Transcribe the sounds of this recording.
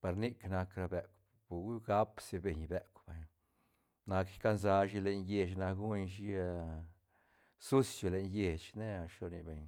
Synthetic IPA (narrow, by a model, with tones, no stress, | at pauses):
pa˧ɾni˦kna˧kɾa˧be˨kʷ | bu˨˦ɡa˦pse˧be˨ɲbe˨kʷba˨ɲ | na˧kka˦nza˧ʃi˧le˨ɲje˨t͡ʃna˧ɡu˦ɲʃ̬i˧ | su˦sjo˨le˨ɲje˨t͡ʃne˦˨ʃo˧ni˨be˨ɲ